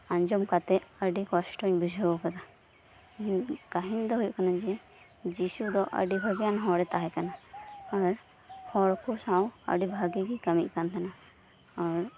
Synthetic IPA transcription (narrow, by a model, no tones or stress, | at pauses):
aɲd͡ʒɔmkat̪ɛəɖikɔsʈɔɲbud͡ʒʱɔkad̪a | ɡaɦiɲd̪ɔɦujuʔkanad͡ʒɛ | d͡ʒisud̪ɔʔə̰ɖibʱaɡjanɦɔɽɛt̪aɦɛk̪anaaɾ | hɔɽkʰusãwə̰ɖibʱaɡikikəmiʔ̚kant̪ʰana | aɾ